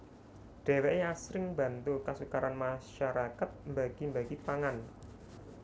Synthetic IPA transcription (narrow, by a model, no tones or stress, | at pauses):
ɖ̥ɛ̤wɛʔeasɾɪŋba̤nt̪ukasukaɾanmaʃaɾakat̪̚mbaɡ̥i̤mbaɡ̥ipaŋan